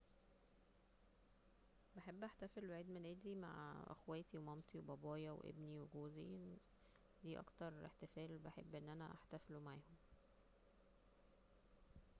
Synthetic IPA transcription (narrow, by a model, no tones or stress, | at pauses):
beħebːʔæħt̪æfelwaʕiːd̪menʔæːd̪ima̰ʕʔæ̰xwæːt̪iwemɑmt̪ˤiwebɑbɑːjɑw̰ʔḛbniweɡoːziʔen | d̪iːʔɑ̰kt̪ɑɾˤḛħt̪efæːlbeħebːʔenːʔænæʔaħt̪æflumaʕaːhom